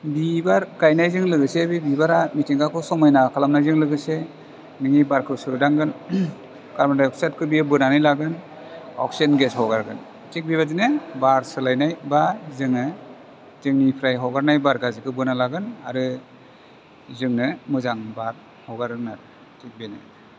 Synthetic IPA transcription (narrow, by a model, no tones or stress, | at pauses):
bibaɾɡajnajzɯŋlɯɡɯsebibibaɾamitiŋɡakʰɯsɔmɔjnakʰalamnajzɯŋlɯɡɯse | nɯŋibaɾkʰɯsɯɯdaŋɡɯn | kaɾmadajɔk̚setkʰɯbijɯbɯnanɯjlaɡɯn | ɔ̰k̚senɡeshɔɡaɾɡɯ̰n | tʰik̚biβazinɯbaɾsɯlajnajbazɯŋɯ | zɯŋnipʰɾajɦɔɡaɾnajbaɾɡazikʰɯbɯnalaɡɯna̰ɾɯ | zɯŋnɯmɯzaŋbaɾ | hɔɡaɾɯŋnaɾ | tʰik̚benɯ̰